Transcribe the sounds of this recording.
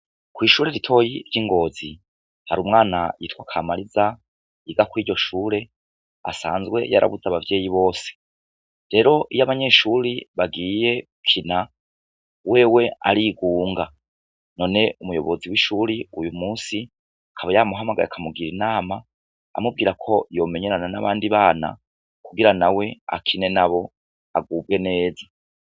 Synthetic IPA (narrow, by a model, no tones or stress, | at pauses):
kwiːʃuːɾeɾitʰo̞jiɾjiːŋɡo̞ːzi | haɾuːmŋaːnajitwakʰamaɾiza | iɡakwiːɾɟo̞ʃuːɾe̞ | a̰sa̰ːnzɡwe̞̰ja̰ɾʔa̰βuzaβavje̞ːjiβo̞ːse̥ | ɾe̞ɾo̞ʔijaβaɲe̞ːʃuɾiβaɡiːje̞ | kʰina | we̞ːwe̞a̰ɾiɡuːŋɡa | no̞ne̞umujo̞̰βoziwiʃuɾiujumuːsi | akʰaβajamuɦamaɡa̰j̰akʰamuɡiɾinaːma̰ː | mub̚ɡiːɾakʰo̞joːme̞ɲe̞ɾananaβaːndiβaːna̰ | kuɡiɾanawe̞a̰kʰine̞naβo̞ | a̰ɡuːb̚ɡe̞ne̞ːza